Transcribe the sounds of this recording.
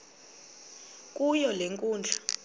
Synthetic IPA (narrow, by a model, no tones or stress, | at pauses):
k̬ʼujɔleŋkʼuːnd͡ɮʱa